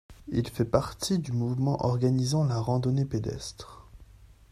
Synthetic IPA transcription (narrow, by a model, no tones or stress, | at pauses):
ilfɛpaʁt̪ʰid̪ymuvmɑ̃ʔɔʁɡanizɑ̃laʁɑ̃d̪ɔneped̪ɛ̰st̪χ